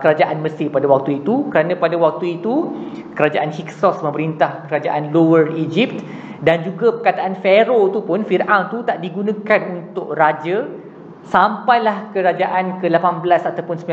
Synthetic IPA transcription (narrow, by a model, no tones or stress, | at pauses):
kəɾad͡ʒaʔanmə̃sɪpadawak̚t̪uit̪ukəɾanãpadawak̚t̪uit̪ukəɾad͡ʒaʔanhiksɔsmə̃məɾint̪ahkəɾad͡ʒaʔanlowərid͡ʒip̚t̪ | dand͡ʒuɡapəkat̪aʔanfeɾot̪upʊnfirʔaŋt̪ut̪aʔdiɡunãkanunt̪ʊʔrad͡ʒa | sampajlahkəɾad͡ʒaʔankəlapanbəlasat̪awpʊnsəmbi